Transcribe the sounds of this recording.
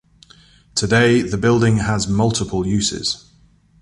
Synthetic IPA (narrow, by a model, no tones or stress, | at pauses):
tʰədeɪðəbɪlˠdɪ̃ŋəzmʌlˠtʰɪpʰəlˠjʉˑsɪ̰z̥